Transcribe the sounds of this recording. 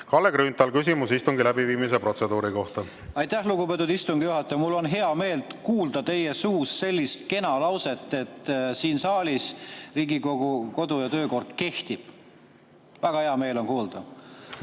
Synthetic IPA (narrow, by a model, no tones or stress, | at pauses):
kɑlːeɡ̥ɾynt̪ːˑɑlkysʲimusist̪uŋɡilæbiviːmis̬e̞pro̞t̪se̞d̪uːɾiko̞ht̪ɑ | ɑjt̪ːˑæhluɡube̞t̪ːˑud̪ist̪uŋɡ̥ijuɦɑt̪ːˑɑjɑmulːo̞nɦe̞ɑme̞ːld̪kuːld̪̥ɑt̪e̞je̞suːsse̞lʲːist̪ke̞nɑlɑwse̞t̪ˑːe̞t̪ˑːsiːnsɑːlʲisriːɡikoɡuko̞d̪ujɑt̪øːko̞rt̪ke̞ht̪ib̥̚ | væɡ̥ɑhe̞ɑme̞ːlo̞nkuːld̪̥ɑ